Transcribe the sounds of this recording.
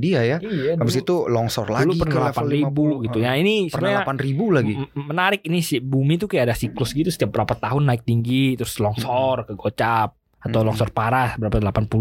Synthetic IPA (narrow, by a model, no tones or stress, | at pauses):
diajaijaapəsit̪ulɔŋsɔ̰rlauluipərnalaparibuɡit̪ujainisəərnɲlapanribulaɡimənaɾɪk̚inisibumit̪ukajaadasiklʊsɡit̪usə̥t̪iap̚bəɾapat̪aɦʊnːaɪk̚t̪iŋɡit̪ɾʊslɔŋsɔrkəɡot͡ʃap̚ | at̪awlɔŋsɔrpaɾasbəɾapadəlapanpul